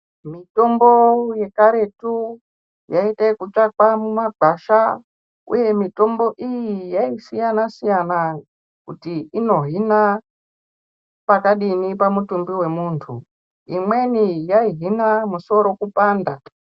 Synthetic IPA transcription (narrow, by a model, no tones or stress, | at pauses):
mito̞mbo̞je̞kaɾe̞tu | jaitakut͡ʂakwamumaɡʱaʃa | ṵje̞mito̞mbo̞ʔijijaisijanasijana | kutiino̞ɦina | pakaɗinipamutumbiwe̞muːntʰṵ | imwe̞nijaiɦinamuso̞ɾo̞kupaːnda